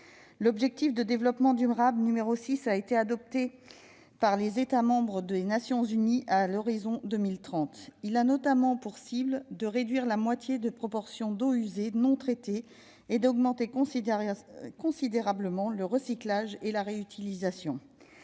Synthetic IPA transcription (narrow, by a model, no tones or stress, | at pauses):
lɔbʒɛk̚t̪ifd̪əd̪evlɔpmɑ̃d̪yʁabnymeʁosisaet̪ead̪ɔp̚t̪e | paʁlezet̪amɑ̃bʁəd̪enasjɔ̃zyniʔalɔʁizɔ̃d̪əmilt̪χɑ̃t̪ilanɔt̪amɑ̃puʁsibld̪əʁed̪ɥiʁlamwat̪jed̪əpχɔpɔʁsjɔ̃d̪oyzenɔ̃t̪χet̪eː | d̪ɔɡmɑ̃t̪ek | kɔ̃sid̪eʁabləmɑ̃ləʁəsiklaʒelaʁeyt̪ʰilizasjɔ̃